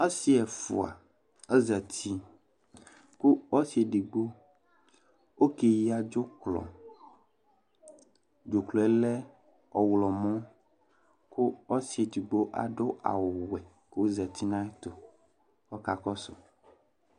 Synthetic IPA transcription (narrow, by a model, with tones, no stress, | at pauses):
a˦si˦ɛ˨fṵ˨a̰˨ | e˦zɛ˨t̪ʰi˦ | ku˦ɔ˦si˨˦e˨ɖi˨ɡ͡bo˦ | wo˦ke˨ji˦a˨d͡ʒo˦klɔ̰˨ | d͡ʒo˨klɔ˨ɛ˦lɛ˦ | ɔ˨wlɔ˨mɔ̃˦ | ku˦ɔ˦si˨e˨d͡ʒi˨ɡ͡bo˦ʔa̰˨ɖo˦ʔa̰˨wo˨wɛ˨ | ke˦o˦zɛ˨t̪i˦nã˦ɛ˦t̪o˨ | ɔ˦ka˨kɔ˦so̰˨